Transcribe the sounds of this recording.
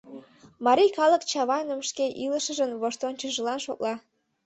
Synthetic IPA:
mɑɾʲijkɑlə̆kt͡ɕɑβɑjnə̆mʃkeʔilə̆ʃə̆ʒə̆nβoʃt̪ont͡ɕəʒəlɑnʃo̰k̚lɑ

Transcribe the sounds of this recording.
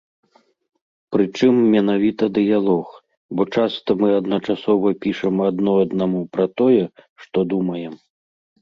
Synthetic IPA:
pɾɨt͡ʂɨmːʲɛnavʲit̪ɐd̪ɨjalˠɔx | bɔt͡ʂast̪ɐmɨɐd̪nɐt͡ʂasɔvɐpʲiʂɐmɐd̪nɔɐd̪namupɾɐt̪ɔjɛʂt̪ɔd̪umɐjɛm

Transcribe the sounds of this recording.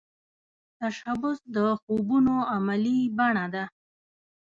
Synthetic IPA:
t̪aʃabʊsd̪əxubunoamalibaɳad̪a

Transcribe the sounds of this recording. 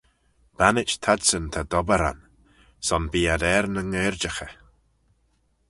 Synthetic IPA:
b̥anɪt͡ʃt̪ʰadsənt̪ʰad̪ɔbəɾa̰n | sɔnbiːadɛɾnəŋeːɹd͡ʒəxə

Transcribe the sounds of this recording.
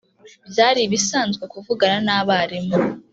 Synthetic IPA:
bjaːɾiβisaːnzɡekuvuɡaɾanaːβaɾimo

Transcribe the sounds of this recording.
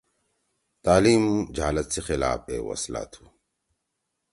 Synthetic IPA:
t̪aːliːmd͡ʑɦaːlɐt̪sexɪla̰ːfḛːwɐ̰sla̰ːt̪ʰu̥

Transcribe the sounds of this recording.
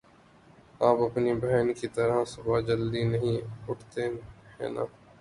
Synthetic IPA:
aːpɐpnibəɦɛnkit̪əɾasʊbʱad͡ʒəld̪inəɦĩʊʈʰt̪eɦɛ̰̃ːna̰ː

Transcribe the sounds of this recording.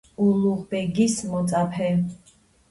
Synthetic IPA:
uluʁbɛɡismɔt̪sʼapʰɛ

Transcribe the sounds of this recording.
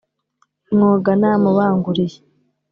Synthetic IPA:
ŋoɡanamuβaːŋɡuɾije

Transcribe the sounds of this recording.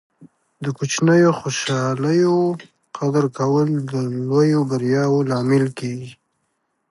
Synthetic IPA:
d̪əkut͡ʃnəjoxoʃɑləjo | qad̪əɾkawəld̪əlwojobaɾjɑwolɑmɪlkeɡi

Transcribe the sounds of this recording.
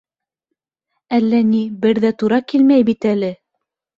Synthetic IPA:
ælːænibɘɾðæt̪uɾɑkilmæjbit̪ælɘ

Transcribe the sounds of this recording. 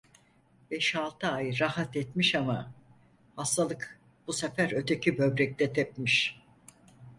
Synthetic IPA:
bɛʃalˠt̪ʰɯajɾahat̪ɛt̪miʃama | hast̪ʰalˠɯk | b̥usefæɾø̞t̪ʰecʰibø̞bɾɛc̚t̪ʰɛt̪ʰɛp̚miʃ

